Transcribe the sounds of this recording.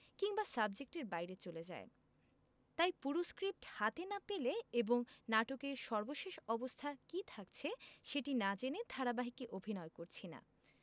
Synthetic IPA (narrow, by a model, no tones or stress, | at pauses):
kiŋbasabd͡ʑek̚ʈeɾbajɾet͡ɕoled͡ʑa̰e | t̪ajpuɾoskɾip̚ʈhat̪enapeleeboŋnaʈokeɾʃɔɾboʃeʃɔbost̪ʰakit̪ʰakt͡ɕʰeʃeʈinad͡ʑened̪ʱaɾabaɦikiʔobʱinɔekoɾt͡ɕʰina̰